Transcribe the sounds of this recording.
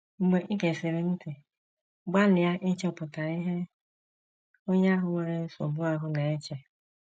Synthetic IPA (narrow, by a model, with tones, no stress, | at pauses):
ŋ͡m̩˨ɡ͡be˨ʔi˦ke˨se˨ɾe˨n̩˦ti˨˦ | ɡ͡ba˦lɪ˨a˦ʔɪ˦t͡ʃe˦˨pʊ˨ta˨ɾi˦ɦe˦ | o˦ɲe˦a˦ɦʊ˨ŋʷe˨ɾe˦n̩˦so̰˨bu˦a˦ɦʊ˦ne˨e˦t͡ʃe˨